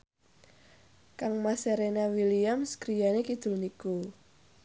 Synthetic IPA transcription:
kaŋmaseɾenawiliamsɡ̥ɾijanekid̪̥ṳlniku

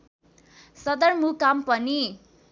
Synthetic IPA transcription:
sʌd̪ʌrmukampʌni

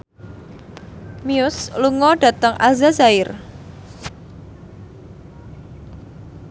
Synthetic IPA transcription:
miʊsluŋɔɖ̥ä̤t̪əŋʔazazaɪr

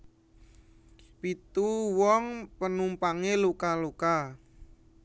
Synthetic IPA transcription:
pit̪uwɔŋpənumpaŋelukaluka

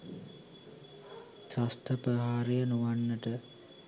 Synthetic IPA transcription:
sast̪əpəɦaːɾejənuʋanːəʈə

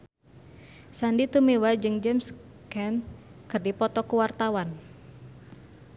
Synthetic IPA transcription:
sandit̪umewad͡ʒɨŋd͡ʒɛms | kɛn | kɨrdipɔt̪ɔkuwart̪awan

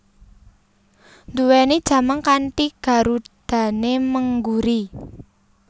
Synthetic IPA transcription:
nd̪uwened̥ʒ̥ä̤maŋkanʈiɡ̥a̤ɾud̪̥a̤neməŋɡuɾi

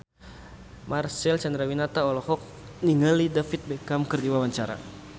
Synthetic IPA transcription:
marsɛlt͡ʃand̪ɾawinat̪aɔlɔhɔk̚niŋalidafit̪̚bɛkamkərdiwawaɲt͡ʃaɾa̰

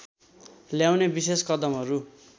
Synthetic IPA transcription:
ljawnebiseskʌd̪ʌmɦʌɾu

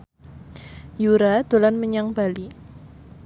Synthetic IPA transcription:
juɾad̪̥o̤lanməɲaŋb̥ali

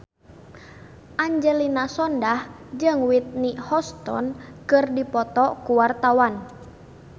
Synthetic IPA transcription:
ʔaɲd͡ʒɛlinasɔndah | d͡ʒɨŋwit̪̚nihɔst̪ɔ̰nkɨrdipɔt̪ɔkuwart̪awan

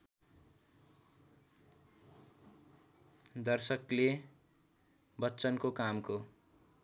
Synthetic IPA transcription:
d̪ʌrsʌkle | bʌtːt͡sʌnkokamko

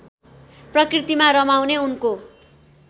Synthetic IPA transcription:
prʌkrit̪imaɾʌmawneunko

